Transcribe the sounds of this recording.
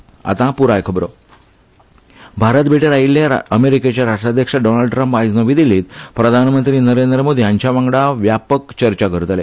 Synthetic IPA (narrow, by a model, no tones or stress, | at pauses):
a̰t̪ãpuɾajkʰəbɾo | bʱaɾət̪bʱiʈeɾailːjaəmeɾiket͡ɕjaɾaʂʈɾad̪ʱjəkʂaɖonalɖʈɾãmpajd͡znəʋid̪iliːt̪pɾəd̪ʱanmənt̪ɾiːnəɾend̪ɾəmod̪ʱijãɲt͡ɕjaʋãŋɡɽaʋjapəkt͡ɕəɾt͡ɕaɡʱəɾt̪əle